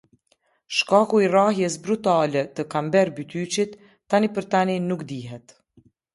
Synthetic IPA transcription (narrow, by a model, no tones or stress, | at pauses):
ʃkakuiraɦjɛsbɾut̪alɛt̪əkambɛɾbyt̪yt͡ʃit̪ː | anipəɾt̪aninukd̪iɦɛt̪